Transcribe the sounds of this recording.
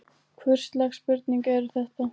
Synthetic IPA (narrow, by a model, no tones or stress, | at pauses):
kʰvʏr̥st̪lɛxspʏɾt̪niŋkɛɾʏθɛht̪a